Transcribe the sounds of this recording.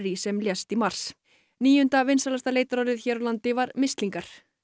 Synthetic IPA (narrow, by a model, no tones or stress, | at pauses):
ɾisɛmljɛst̪imar̥s | niːjʏnt̪avɪnsalast̪aleːjt̪aɾɔɾɪðçɛːɾalant̪ɪvaɾmɪst̪liŋkaɾ̥